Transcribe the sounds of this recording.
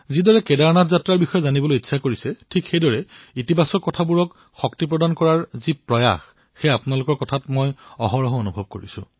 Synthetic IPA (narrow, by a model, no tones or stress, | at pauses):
zidɔɹɛkɛdaɹnatʰzatɹaɹbixɔjɛzanibɔlojitːsakoɹisɛtʰikxejdɔɹɛitibasɔkːɔtʰabuɹɔk | xɔktip̬ɹɔdankɔɹaɹzipɹɔja̰x | xejapʊnalʊkɔɹkɔtʰatmojɔɦɔɹɔɦɔonubʱɔb̚koɹisʊ̰̃